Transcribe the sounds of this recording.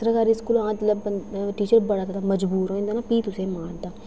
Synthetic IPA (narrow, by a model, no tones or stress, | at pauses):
t̪ɾəkaːɾiːskuːlãːt̪ləbʈiːt͡ʃəɾbəɽaːt̪ːd̪aːməd͡ʒbuːɾɦoːĩːnd̪aːnaːpiːt̪ʊsẽːmaːɾd̪aː